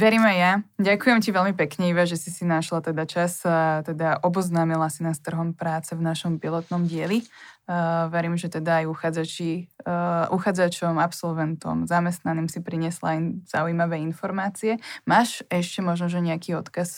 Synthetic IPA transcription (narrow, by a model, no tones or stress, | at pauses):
ʋɛɾiːmajjaɟakujɛmciʋɛlmipɛkɲɛiʋaʒɛsisinaʃlat̪ɛd̪at͡ʃast̪ɛd̪aʔɔbɔznaːmilasinast̪r̩ɦɔmpɾaːt͡sɛvnaʃɔmpilɔt̪nɔmɟɪɛli | ʋɛɾiːmʒɛt̪ɛd̪aːjuxaːd͡zat͡ʃi | uxaːd͡zat͡ʃɔmapsɔlʋɛnt̪ɔ̰mzamɛst̪naniːmsipɾiɲɪɛslajz̥a̰ujimaʋɛːinfɔɾmaːt͡siɛmaːʃɛʃcɛmɔʒnɔʒɛɲɛakiːɔt̪kas